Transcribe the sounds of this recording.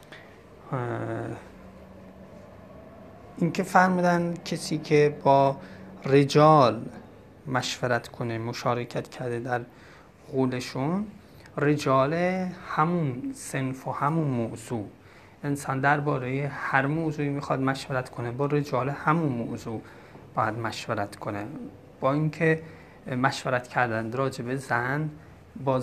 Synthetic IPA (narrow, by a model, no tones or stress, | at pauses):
ʔincʰe̞fæɾmuːd̪æncʰesiːcʰebɒːred͡ʒɒːl | mæʃveɾæt̪ʰkʰonemoʃɒːɾecʰæt̪cʰæɾd̪ed̪æɾ | ɣuːleʃun | red͡ʒɒːlehæmunsenfohæmunmozuː | ʔensɒːnd̪æɾbɒːɾejehæɾmoːzuːiːmixɒd̪mæʃveɾæt̪kʰonebɒːɾed͡ʒɒːlehæmunmo̰zuː | b̥ɒːjæd̪mæʃveɾæt̪kʰonḛ | b̥ɒːiŋkʰe | mæʃveɾæt̪cʰæɾd̪ænd̪ɾɒːd͡ʒe̞bezæn | bɒː